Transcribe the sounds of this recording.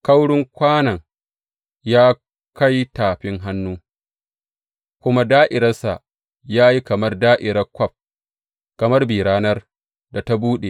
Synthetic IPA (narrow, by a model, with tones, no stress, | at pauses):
ka˦wɽʊ˦ŋkʷaː˦nɐ˨ŋ | jaː˦ | ka˦jtaː˨ɸɪ˦ŋɦa˦nːuː˦ | kʷʊ˦ma˦daː˦ʔɪ˨ɾɐ˦rsa̰˨ | jaː˦ji˦kɐ˨mɐ˦rdaː˦ʔɪ˨ɾɐ˦kʷɔ˦p̚ | kɐ˨mɐ˦rbiː˨ɽaː˦nɐ˦r | da˨ta˦buː˦ɗe˨